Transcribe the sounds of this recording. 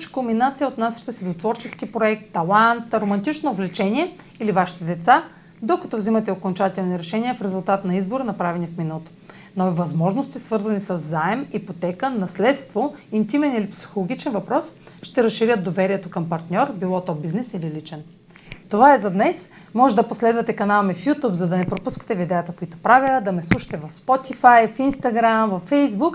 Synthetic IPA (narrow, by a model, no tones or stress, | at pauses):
t͡ʃkombinat̪sijəot̪nasʃi̥t̪əsid̪ot̪vɔɾt͡ʃɛsk̟ipɾoɛk̚t̪ːɐlˠant̪ɾomɐnt̪it͡ʃnoːvlɛt͡ʃɛniɛ | ilivaʃi̥t̪ɛd̪ɛt̪sa | d̪okɐt̪ɔvzimɐt̪ɛokont͡ʃat̪ɛlˠniɾɛʃɛniɛfɾɛzʊlˠt̪at̪nɐizboɾənɐpɾavɛnifminəlˠot̪o̥ | nɔvivɐzmɔʒnost̪isvɤɾzɐnisəzːaɛmipot̪ɛkənɐslɛt̪st̪voint̪imɛnilipsi̥xolˠoɡ̟ʲit͡ʃɛnvɐpɾɔs | ʃt̪ɛɾɐsʃiɾʲəd̪d̪ovɛɾiɛt̪okɐmpɐɾt̪nʲɔɾbilˠɔt̪ɔbiznɛsililit͡ʃɛn | t̪ovaɛzɐd̪nɛs | mɔʒɛd̪ɐposlɛd̪vɐt̪ɛkɐnalˠmɛfjut̪upzɐd̪ɐnɛpɾopuskə̥t̪ɛvid̪ɛjət̪əkoit̪o̥pɾavʲəd̪ɐmɛslˠuʃɐ̥t̪ɛvɐfspɔt̪ifajfinst̪ɐɡɾamvɐfːɛjzbuk